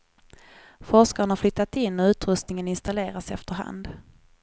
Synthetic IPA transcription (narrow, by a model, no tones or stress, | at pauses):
fɔʂkaɾənhaɾflʏt̪ːat̪ɪnːɔʉ̟ːt̪ɾɵst̪nɪŋənɪnst̪aleːɾasɛft̪əɾɦa̰nd̪